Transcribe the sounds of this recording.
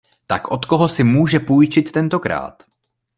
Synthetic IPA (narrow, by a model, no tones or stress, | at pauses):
t̪a̰kʔo̞t̪ko̞ɦo̞sɪmuːʒɛpujt͡ʃɪt̪ːɛnt̪o̞kɾa̰ːt̪